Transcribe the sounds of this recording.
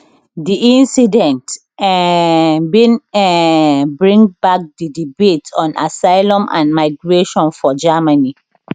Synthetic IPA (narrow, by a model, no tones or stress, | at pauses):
diʔĩnsidɛ̃nt | binɛbɹĩŋbak̚didibetɔ̃nʔa̰saɪlɔ̃mʔã̰nmaɪɡɹeʃɔ̃nfɔd͡ʒamani